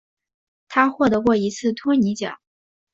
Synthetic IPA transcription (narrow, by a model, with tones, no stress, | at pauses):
t̪ʰa˥xwɔ˥˩t̪ɤ˧˥kwɔ˥˩i˧˥t͡sʰɹ̩˥˩t̪ʰwɔ˥ni˧˥t͡ɕjɑ̰˨˩˦